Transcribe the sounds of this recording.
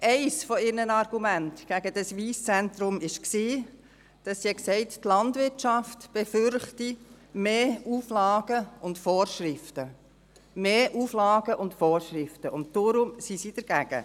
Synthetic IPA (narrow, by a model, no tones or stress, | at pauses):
ʔɛɪsfɔɪɾnənɑɾɡ̥umæntɡ̥æɡ̥əd̥ɑsʋiːst͡sɛnt̪ɾʊmɪʃksiː | d̥ɑsːiɛksɛɪttlɑndʋɪɾtʃɑftb̥efʏɾχti | meːuːflɑːɡ̥əʊntfɔːɾʃɾɪftə | meːʔuːflɑːɡ̥əʔʊntfɔːɾʃɾɪftəʔʊntdoɾʊmsisid̥əɾɡ̥æɡ̥ə̰